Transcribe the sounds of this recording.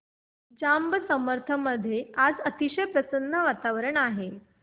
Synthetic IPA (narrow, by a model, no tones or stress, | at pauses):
d͡ʑambəsəməɾt̪ʰəməd̪ʱːjead͡zət̪iɕəjpɾəsənːəʋat̪aʋəɾəɳaɦe